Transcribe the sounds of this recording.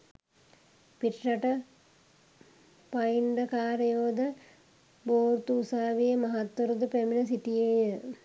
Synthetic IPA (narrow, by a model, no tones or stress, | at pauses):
piʈrɐʈə | pajiɳɖəkaːɾəjoːd̪ə | boːɾt̪uːsaːʋijəmɐɦat̪wɐɾud̪upæminəs̬iʈijejə